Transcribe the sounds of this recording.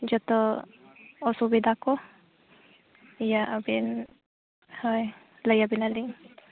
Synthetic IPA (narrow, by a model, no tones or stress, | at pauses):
d͡ʒɔt̪ɔ | ɔsubid̪akɔ | ijaʔabin | hɔj | ləjabinaliŋ